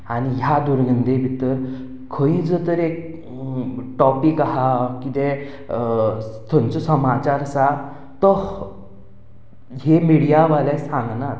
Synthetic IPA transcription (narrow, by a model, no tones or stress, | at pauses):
aniɦjad̪uɾɡənd̪ebʱit̪əɾ | kʰə̃ĩd͡zət̪əɾek̚ | ʈɔpikaɦakit̪ɛ | t̪ʰont͡sɔsəmat͡ɕaɾsa | t̪ə | ɦemiɽijaʋalɛsãŋɡnaɾ